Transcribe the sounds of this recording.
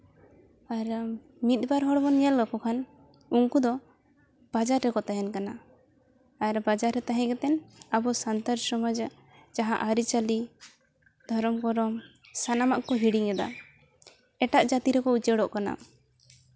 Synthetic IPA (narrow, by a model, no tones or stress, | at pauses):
aɾ | mit̪̚baɾɦɔɽbɔnɲɛlːɔkɔkʰan | uŋkud̪ɔ | b̥ad͡ʒaɾːɛkɔt̪aɦɛnkanaː | ɾbad͡ʒaɾːɛt̪aɦɛ̃ɡɛt̪ɛnabɔsant̪aɾsɔmad͡ʒ | d͡ʒaɦãʔaɾit͡ʃali | d̪ʱɔɾɔmkɔɾɔm | sanamaʔkɔɦiɽiŋɛd̪a̰ | ɛʈaʔd͡ʒat̪iɾɛkɔut͡ʃɛɽɔʔkana̰